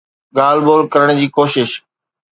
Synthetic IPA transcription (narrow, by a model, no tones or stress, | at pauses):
ɠaːlboːlkɐɾəɽ̃d͡ʑiːkoːʃɪʃ